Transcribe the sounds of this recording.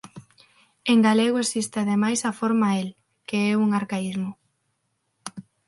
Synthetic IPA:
eŋɡaleɣoesist̪ɪaðemajsafoɾmael | keɛuŋaɾkaizmʊ

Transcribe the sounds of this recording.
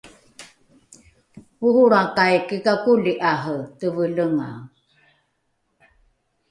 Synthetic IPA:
puhuɾakajkikakuliʔaɦətəvələŋa

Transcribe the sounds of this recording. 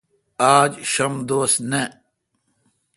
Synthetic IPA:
aːd͡ʑɕɐmd̪oːsne

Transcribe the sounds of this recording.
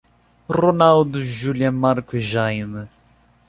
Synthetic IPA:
ronald̪uʒuljɐmaɾkweʒajnɨ

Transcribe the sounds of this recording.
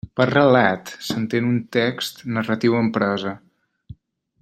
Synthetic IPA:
pərəlat̪sənt̪enunt̪ɛkst̪nərət̪iwəmpɾɔzə

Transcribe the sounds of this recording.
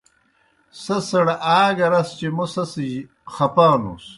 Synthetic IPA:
sɐsɐɽɐʔaːɡɐɾɐst͡ɕemusɐsij | xɐpaːnṵs

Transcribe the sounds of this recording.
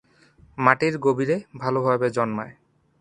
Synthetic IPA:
maʈiɾɡobiɾebʱaloɦɔjbed͡ʑɔnmae

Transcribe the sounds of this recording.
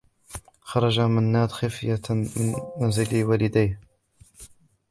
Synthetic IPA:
xɑɾˤɑd͡ʒamɪnːaːd̪xafɪjamɪnmanzɪliwalɪd̪ajh

